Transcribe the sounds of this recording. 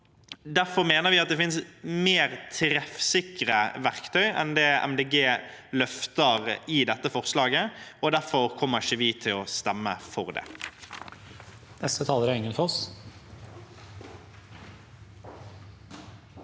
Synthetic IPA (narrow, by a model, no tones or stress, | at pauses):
d̪æʁfɔʁmeːnəʁʋɪɑt̪̚d̪ɛfɪnsmeːʁt̪ʰɾɛfsɪkəʁəʋæʁkt̪ʰœʏɛ̰nd̪ɛɛ̰md̪eːɡeːlœft̪əʁɪd̪ɛt̪ːəfɔʁslɑːɡəɔd̪æɾfɔɾkʰɔmːəɪçəʋɪt̪ʰɪlɔst̪ɛmːəfɔʁd̪ɛ̰ː | nɛst̪ət̪ʰɑːləɾæɾɪŋːənfɔɔs